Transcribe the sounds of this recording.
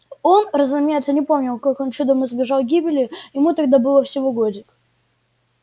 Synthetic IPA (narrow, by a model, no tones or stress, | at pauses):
o̞nrəzʊmʲajt̪sənʲɪpo̞mnʲɪlˠkakont͡ɕud̪əmɨzbʲɪʐɑlˠɡʲibʲɪlʲɪjɪmut̪ɐɡd̪abɨlˠəfsʲɪvoɡodʲɪk